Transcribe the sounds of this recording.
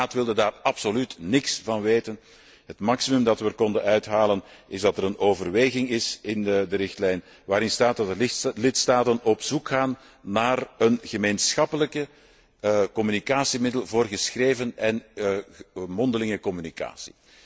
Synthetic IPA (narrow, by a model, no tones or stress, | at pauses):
aːtʋɪlˠdədaːrɑpsolytnɪksvɑnʋeːtən | ɦətmɑksimɵmdɑtʋəkɔndənœɥtɦaːlənɪzdɑtəɾənoːvərʋeːɣɪŋɪsɪnədəɾɪxtlɛjn | ʋaːɾɪnstaːt̚dɑdəlɪtstaːtənɔpsukxaːnː | aːrənɣəmeːnsxɑpələkə | kɔmynikaːsimɪdəlˠvoːrɣəsxreːvənɛn | mɔndəlɪŋəkɔmynika̰ːsi̥̰